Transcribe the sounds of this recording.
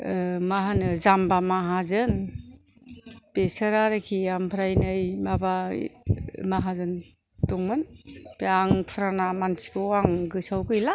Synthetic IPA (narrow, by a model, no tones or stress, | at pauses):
maɦanɯzambamaɦazɯn | pesaɾaɾɯkʰiampʰɾajnɯjmaba | maɦazɯn | tɔŋmɯnpeaŋtʰuɾanamansʰi̥kɯaŋɡɯsawkɯjla